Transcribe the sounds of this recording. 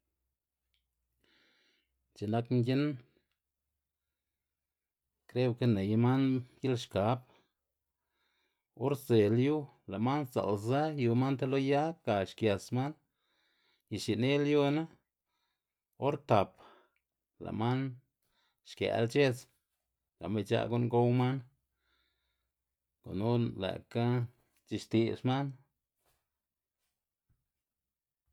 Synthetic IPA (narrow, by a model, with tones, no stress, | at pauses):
t͡ʃe˨na˧kŋɡʲi˦n | kɾe˦wke˦ne˨jma˦nji˦lʃka˨˦p | o˦ɾze˨lju˦ | la˨ma˦nza̰˨lza˦ju˧ma˦nt̪a˦lo˦ja˦ka˨ʃkja˨sma˦n | ji˧˨ʃi˨ne˦lju˦na˦ | o˦ɾt̪a˨p | la̰˨ma˦n | ʃkja̰˨a̰˧˦lt͡ʃe˦t͡s | ɡ̥a˨me˧t͡ʃa̰˧˦ɡu˦ŋɡo˦wma˦n | ko̰˨nu˦la̰˨ka˦ | t͡ʃi˧ʃt̪i˧sma˦n